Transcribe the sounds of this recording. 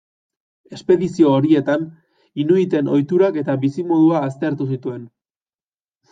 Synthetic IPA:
e̞spe̞ðisio̞ːɾie̞t̪an | inuit̪e̞no̞jt̪uɾake̞t̪aβisimo̞ðuaːst̪e̞ɾt̪us̬it̪ue̞n

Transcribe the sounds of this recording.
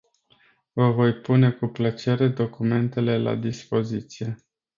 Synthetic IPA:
vəvo̞jpune̞kuplət͡ʃe̞ɾe̞d̪o̞kume̞nt̪e̞le̞la̰d̪ispo̞zit̪sije̞

